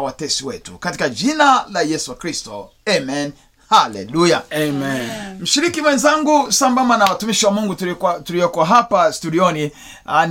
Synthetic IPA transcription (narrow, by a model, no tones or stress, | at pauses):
watɛsiwɛ̰tṵkati̥kad͡ʒinalajɛsukɾistɔ | ɛmɛn | halɛ̰lujaemɛnm̩ʃiɾikimwɛnzaŋɡusambambanawatumiʃiwamuŋɡutukatulijɔkɔaɦapastuɗiɔni | an